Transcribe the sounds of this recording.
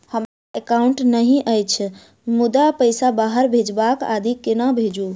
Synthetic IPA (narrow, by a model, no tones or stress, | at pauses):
həmaekawɳʈnəɦĩʔəjt͡ʃʰ | mud̪apəjsabaɦəɾbʱed͡ʒbaka̰d̪ʱikenabʱed͡ʒu